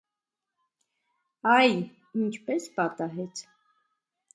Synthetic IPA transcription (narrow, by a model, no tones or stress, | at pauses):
ɑj | int͡ʃʰpɛspɑt̪ɑɦɛt͡sʰ